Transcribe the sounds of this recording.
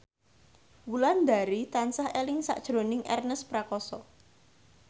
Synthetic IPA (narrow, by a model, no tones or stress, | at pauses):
wuland̪a̤ɾit̪ansahelɪŋsa̰ʔd̥ʒ̥ɾo̤nɪŋʔɛ̰rnəspɾakɔsɔ